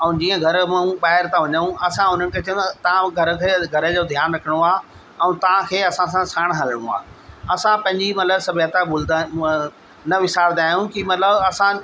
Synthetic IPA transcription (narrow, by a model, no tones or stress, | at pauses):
ɛ̃ũd͡ʑĩːə̃ɡʱɐɾmãũɓaːɦɪɾt̪ʰãʋɐɲəũɐsãʊn̤ənɪkʰeːt͡ɕʰɐjũt̪ɐt̪ɐãɡʱɐɾə̆kʰeːɡʱɐɾə̆d͡ʑoːd̪ʱjaːnɾɐkʰɪɽ̃oaː | ɛ̃ũt̪ɐʋ̤ãkʰeːɐsãs̬ãsaːɽ̃ɦɐləɽ̃ṵ̃a̰ːɐsãpɐ̃ɦɪ̃ɲd͡ʑimɐt̪ləbsɐbʱət̪abʊld̪a | nɐʋɪsaːɾd̪aːjũkimɐt̪ləbɐsã